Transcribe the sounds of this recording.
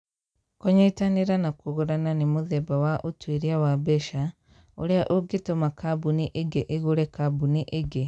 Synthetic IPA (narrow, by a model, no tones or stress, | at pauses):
koɲeitaniɾanakoɣoɾananimuðɛbawaʔotweɾiawabɛʃa | oɾeaʔoɡetomakabuniʔeɡeʔeɣoɾɛkabuniʔeɡe